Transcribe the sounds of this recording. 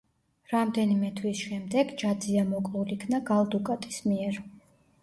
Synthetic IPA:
ɾamd̪ɛnimɛt̪ʰwisʃɛmd̪ɛɡd͡ʒad̪ziamɔkʼulikʰnaɡalˠd̪ukʼat̪ʼismiɛɾ

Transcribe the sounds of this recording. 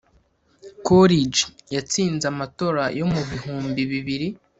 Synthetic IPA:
koɾid͡ʒjat͡siːnzamato̞ɾajo̞muβihuːmbiβiβiɾi

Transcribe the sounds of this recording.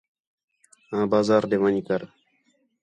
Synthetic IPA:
ãbaːzaːɾd̪emanikaɾ

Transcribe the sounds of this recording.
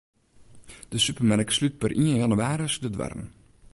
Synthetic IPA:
d̥əsypərmɛnəkslyt̚pərʔiənjɑnyaːɾəsdədʋɛ̰rə̰n

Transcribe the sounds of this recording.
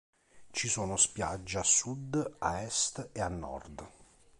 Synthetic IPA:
t͡ʃisoːnospjad͡ʒːeasːud̪aɛst̪eanːɔ̰rd̪

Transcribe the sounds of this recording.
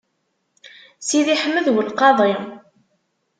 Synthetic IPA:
siðiħəmːəðwəlqɑðˤɪ

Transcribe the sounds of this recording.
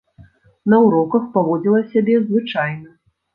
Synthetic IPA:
nɐwɾɔkɐxpavɔd͡zʲilˠɐsʲabʲɛzvɨt͡ʂajnɐ

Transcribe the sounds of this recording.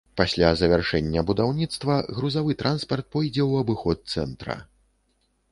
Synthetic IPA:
pasʲlʲazɐvʲarʂɛnʲːɐbud̪awnʲit̪st̪vɐɣɾuzavɨt̪ɾʔanspɐrt̪̚pɔjd͡zʲɛwɐbɨxɔt̪̚sɛnt̪ɾɐ̰

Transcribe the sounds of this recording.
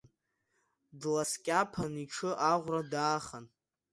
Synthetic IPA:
dlaskʲʼapʰaniʈ͡ʂʰɨʔaʁʷradaːχan

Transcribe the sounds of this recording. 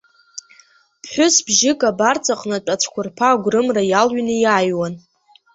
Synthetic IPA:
pʰħʷʊsbʒɪkʼabart͡sʰʼaqʼnɨʈ͡ʂʼat͡ʃʷʰkʷʰʊrpʰaːɡʷrɨmrajalɥnɨjaːjwan

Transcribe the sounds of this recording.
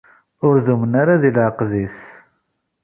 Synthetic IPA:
ʊɾðumənaɾaðilʕəqðis

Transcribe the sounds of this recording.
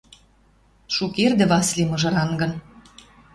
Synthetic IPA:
ʃukerd̪ĕβɑslʲimɤ̆ʒɤ̆ɾɑnɡɤ̆n

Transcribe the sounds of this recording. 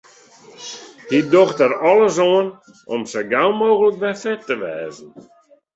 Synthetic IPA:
hidoxtəɾɔləs̬oən | ɔmsəɡalˠmoːɣələk̚bɛfɛtːəʋɛːzən̩

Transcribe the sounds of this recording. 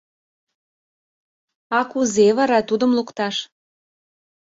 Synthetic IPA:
ɑkuzeβɑɾɑt̪ud̪ə̆mlukt̪ɑʃ

